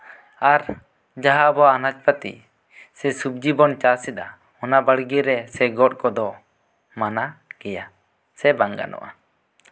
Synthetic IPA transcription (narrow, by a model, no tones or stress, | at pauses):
aɾ | d͡ʒaɦabɔanat͡ʃ̚pat̪ḭ | sɛsup̚d͡ʒibɔnt͡ʃasid̪a | ɔnabaɽɡiɾɛsɛɡɔʈ̚kɔd̪ɔ | manakɛja | sɛbaŋɡa̰nʔɔ̰ʔa